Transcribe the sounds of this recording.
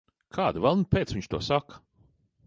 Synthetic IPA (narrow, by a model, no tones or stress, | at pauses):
kʰaːd̪vɛlˠnupeːt̪sviɲʲt͡ʃt̪uɔsakɐ̥